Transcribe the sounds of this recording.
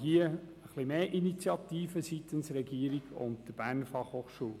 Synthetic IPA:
hiəəχlɪmeːʔinit͡sjɑt̪iːfəsit̪ənsɾɛɡiːəɾiɡʊ̰ntd̥əb̥æːɾnfɑχhoːχʃuːl

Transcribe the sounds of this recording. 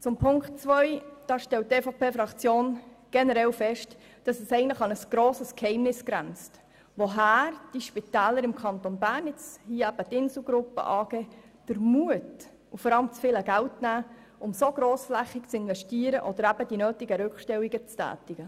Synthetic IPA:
t͡sʊmpʰʊŋktt͡sʋœʏd̥ɑːʃtɛlt̚ːeːfɔpʰeːfɾɑkt͡sjoːnɡ̥ɛnəɾɛlfɛʃt | d̥ɑsəsɛɪɡəntləχɑnəsɡ̥ɾoːsəskhɛɪmnɪsɡ̥ɾænt͡st | ʋoɦæːrd̥iʃpitæːləɾɪmkʰɑnt̪onbæːɾnɪt͡shiːəæb̥ətɪnsl̩ɡɾʊpːə̰ʔɑːɡ̥eːd̥əɾmuət | ufɔɾɑləmt͡sfɪːləɡæltnæː | ʔʊmsoɡ̥ɾoːsflæχɪkt͡sɪnvɛʃtiːəɾəʔɔd̥̪əɾæb̥əd̥inøːtiɡəɾʉkʃtɛwiɡət͡stæ̰ːtiɡ̥ə

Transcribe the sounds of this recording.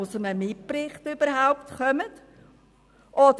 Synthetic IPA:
ʊsəməmɪppɾɪχtʏb̥əɾɦaʊpt̪χœmət | ʔɔd

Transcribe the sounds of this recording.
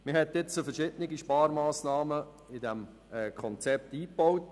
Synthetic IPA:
mɪhɛtːɪt͡sofɛɾʃɪdənɪɡiʃpɑːɾmɑːsnɑːmə | ɪdɛm | ɛːkʰɔnt͡sɛp̚tiːb̥owt

